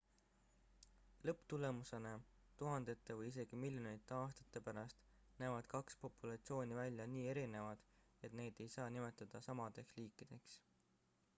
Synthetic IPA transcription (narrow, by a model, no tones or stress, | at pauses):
lɤpːt̪ule̞muse̞ne | t̪uɦɑnd̪e̞t̪ːevɤjise̞ɡ̥imilʲjone̞jt̪ːˑeɑːst̪ɑ̥t̪ːˑe̞pæɾɑst̪ | næevɑd̪̥kɑkspo̞pːˑulɑt̪sio̞ːnʲivælʲjɑniːe̞ɾine̞vɑd̪̥e̞t̪ne̞ːd̪e̞jsɑːnime̞t̪ːˑɑd̪̥ɑsɑmɑd̪̥e̞ksliːkˑːid̪̥e̞ks